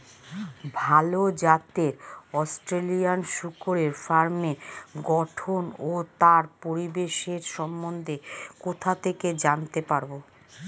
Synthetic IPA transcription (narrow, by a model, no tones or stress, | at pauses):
bʱalod͡ʑat̪eɾɔsʈɾelijanʃukoɾeɾfaɾmeɡɔʈʰonot̪aɾpoɾibeʃeɾʃɔmːond̪ʱekot̪ʰat̪ʰeked͡ʑant̪epaɾbo